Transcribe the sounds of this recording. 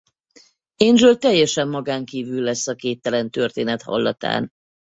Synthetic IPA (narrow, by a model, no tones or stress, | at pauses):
enʒølt̪ɛjːɛʃɛmːɒɡaːŋkiːvylːɛsːɒkeːt̪ːɛlɛnt̪ø̞rt̪eːnɛt̪hɒ̰lːɒ̰t̪a̰ːn